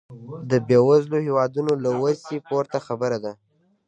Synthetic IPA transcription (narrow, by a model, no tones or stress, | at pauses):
d̪əbjɑwazlohewɑd̪unolawazipoɾt̪axabəɾad̪a